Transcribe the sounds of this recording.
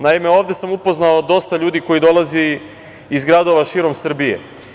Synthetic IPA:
naime̞o̞ːʋd̪e̞samupoznaod̪o̞st̪aʎuːd̪iko̞jid̪o̞lazi | izɡɾad̪o̞ʋaʃiːɾo̞msr̩bijḛ

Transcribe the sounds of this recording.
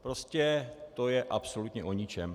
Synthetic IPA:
pɾoscɛt̪o̞jɛʔapsolut̪ɲɛʔo̞ɲɪt͡ʃɛm

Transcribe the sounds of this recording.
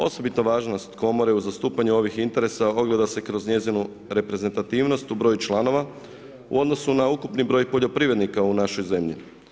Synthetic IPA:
o̞̰so̞bit̪noʋaːʒnost̪ko̞mo̞ɾe̞uzast̪uːpaɲuo̞ʋixint̪e̞ɾe̞sao̞ɡle̞d̪ase̞kɾo̞zɲe̞zinu | ɾe̞pɾe̞ze̞nt̪at̪iːʋno̞st̪ubɾo̞ːjut͡ʃlˠano̞ʋa | ṵo̞d̪no̞sunaukupnibɾo̞ːjpo̞ʎo̞pɾiʋed̪nikaunaʃo̞jze̞mʎḭ

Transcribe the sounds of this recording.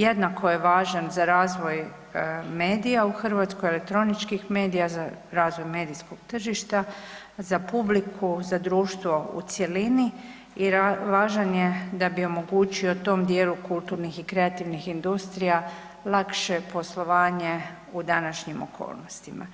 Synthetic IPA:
jed̪nakʰo̞je̞ʋaːʒanzaɾaːzʋo̞j | me̞ːd̪ijauxr̩ʋat̪skojelek̚t̪ɾo̞nit͡ʃkixme̞ːd̪ijazaɾaːzʋo̞jme̞ːd̪isko̞ɡ̥t̪r̩ʒiʃt̪a | zapublikʰuzad̪ɾuːʃt̪ʋo̞ṵt̪sje̞lini | iɾaʋaːʒanjed̪abio̞mo̞ɡuːt͡ʃio̞t̪o̞ːmd̪je̞ːlukulˠt̪uːɾnixikɾe̞at̪iʋnixind̪ust̪ɾija | lˠakʃe̞po̞slˠo̞ʋaːɲe | ud̪anaʃɲimo̰kʰo̰ːlˠnost̪ima̰

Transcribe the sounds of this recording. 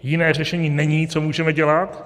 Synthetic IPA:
jɪnɛːr̝ɛʃɛɲiːnɛɲiːt͡somuːʒɛmɛɟɛlat̪

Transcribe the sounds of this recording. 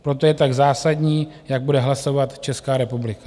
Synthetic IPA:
pɾo̞t̪o̞jɛt̪aɡzaːsadɲiːjaɡ̚budɛɦlaso̞vat̪t͡ʃɛskaːɾɛpublɪkḁ

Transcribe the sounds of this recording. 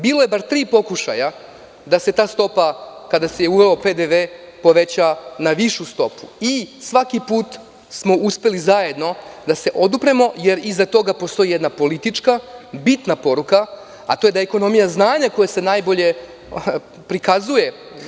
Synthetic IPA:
biːlo̞je̞baɾt̪ɾiːpo̞kuʃa̰ja | d̪ase̞t̪aːst̪o̞pakad̪asejeuʋeope̞d̪eʋeː | po̞ʋe̞t͡ɕanaʋiʃust̪o̞puisʋakipuːt̪ | smo̞ʔuspe̞lizaje̞d̪no̞d̪ase̞ʔo̞d̪upɾemo̞je̞ɾizat̪o̞ɡapo̞st̪o̞ijed̪napo̞lit̪it͡ʃkabit̪napo̞ɾuka | a̰t̪o̞je̞d̪ajeeko̞no̞mijaznaːɲako̞jese̞najbo̞ʎe̞ | pɾikazuje̞

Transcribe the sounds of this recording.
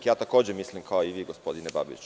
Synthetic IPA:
jaːt̪ako̞ːd͡ʑemislimkʰaoiʋiːɡo̞spo̞d̪ineba̰bḭt͡ɕ

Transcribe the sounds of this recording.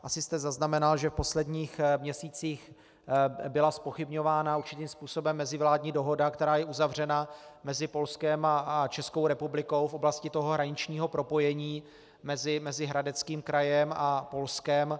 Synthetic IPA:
ʔasɪst̪ɛzaznamɛnalʒɛfpo̞slɛdɲiːxmɲɛsiːt͡siːx | bɪlaspo̞xɪbɲo̞vaːnauɾt͡ʃɪt̪iːmspuːso̞bɛmːɛzɪvlaːdɲiːdo̞ɦo̞dakt̪ɛɾaːjɛʔuzavr̝ɛnamɛzɪpo̞lskɛmat͡ʃɛskowɾɛpublɪko̞wfʔo̞blascɪt̪o̞ɦo̞ɦɾaɲɪt͡ʃɲiːɦo̞pɾo̞po̞jɛɲiː | mɛzɪmɛzɪɦɾadɛt͡skiːmkɾajɛmapo̞lskɛm

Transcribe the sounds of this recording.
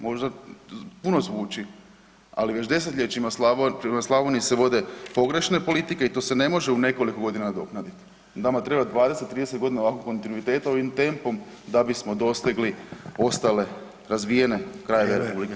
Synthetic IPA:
mo̞ʒd̪apuno̞zʋuːt͡ʃi | a̰liʋe̞t͡ʃd̪e̞s̬et̪lʎʲet͡ʃimaslaot͡ʃimaslˠaʋoniseʋo̞d̪e̞po̞ɡɾe̞ʃne̞po̞lit̪ikeit̪ose̞ne̞mo̞ʒeune̞ko̞likoɡo̞d̪inad̪o̞knad̪it̪ | namat̪ɾe̞bad̪ʋaːd̪eset̪ːɾiːd̪eset̪ɡo̞d̪inaoʋakokːo̞nt̪inuit̪e̞ːt̪ao̞ʋimt̪e̞mpo̞m | d̪abismo̞d̪o̞st̪iɡlio̞st̪ale̞ | ɾazʋije̞ne̞kɾajeʋeɾepublike

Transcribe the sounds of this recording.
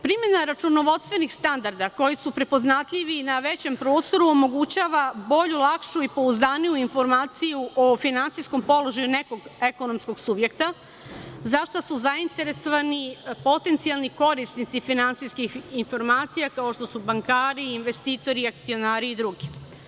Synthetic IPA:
pɾimje̞naɾat͡ʃuno̞ʋo̞d̪st̪ʋe̞nixst̪and̪aɾd̪ako̞jisupɾe̞po̞znat̪ʎʲiʋinaʋe̞t͡ɕe̞mpɾo̞ːst̪o̞ɾuomo̞ɡut͡ɕaːʋabo̞ʎulˠakʃuipo̞uzd̪aːnijuinfo̞ɾmaːt̪sijuʔofinansisko̞mpo̞loʒajune̞ko̞ɡeko̞no̞msko̞ɡsubje̞kt̪a | zaʃt̪osuzaint̪e̞ɾe̞so̞ʋanipo̞t̪e̞nt̪sijalˠniko̞ɾisnit̪sifinansiskixinfo̞ɾmaːt̪sijakao̞ʃt̪o̞subaŋkaːɾiːnʋe̞st̪iːt̪o̞ɾiak̚t̪sio̞naːɾiːd̪ɾuɡi

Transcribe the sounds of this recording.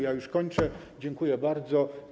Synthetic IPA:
jajuʂkɔɲt͡ʂɛ | d͡ʑɛŋkujɛbaɾd̪zɔ

